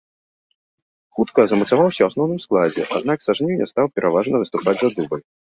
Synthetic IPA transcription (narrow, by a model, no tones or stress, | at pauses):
xut̪kɐzɐmɐt̪savawsʲɐwasnɔwnɨmsklˠad͡zʲɛ̰ʔad̪̚naksaʐnʲiwnʲɛ̰st̪awpʲɛɾʔavaʐnɐvɨst̪upad͡zʲzad̪ubɐj